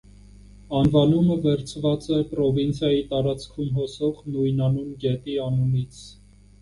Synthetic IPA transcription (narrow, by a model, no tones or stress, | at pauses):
ɑnvɑnuməvɛɾt͡sʰvɑt͡sɛpɾɔvint͡sʰjɑjit̪ɑɾɑt͡skʰumɦɔsɔʁnujnɑnunɡɛt̪iɑmunit͡sʰ